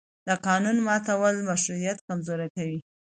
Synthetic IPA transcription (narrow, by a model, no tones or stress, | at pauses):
d̪əqɑnunmɑt̪awəlmaʃɾuɾijat̪kamzoɾakawi